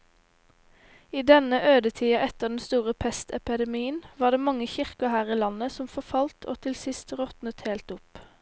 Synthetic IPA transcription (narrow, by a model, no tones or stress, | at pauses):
iːd̪ɛnəʔøːd̪ət̪ʰiːɑʔɛt̪əʁd̪ɛnst̪uːʁəpʰɛst̪ɛpəd̪ɛmiːənʋɑːd̪eːmɑŋəçɪʁkəhæːʁiːlɑnəsɔmfɔfɑlt̪ʰo̰ːt̪ʰɪlsɪst̪ʁɔt̪nət̪heːlt̪ʊp